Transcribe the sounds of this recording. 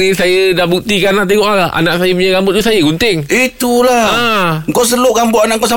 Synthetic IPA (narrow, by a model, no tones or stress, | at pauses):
nĩsajədahbuk̚t̪ikanaʔt̪̬eŋɔʔalaʔa̰nãʔsajəp̬uɲaɡambʊt̪̚usajəɡunt̪ɪŋit̪ulaŋkowsəloʔɡambʊʔanaʔŋkoʔs̬a